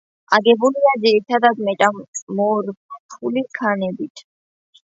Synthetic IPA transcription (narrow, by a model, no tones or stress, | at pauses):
ʔɐɡɛbʊlɪjɐd͡ʒɛːt̪ʰɐd̪ɐt̪mɛt̪ʼɐmʼmoːɾpʰulikʰɐnɛbɪt̪ʰ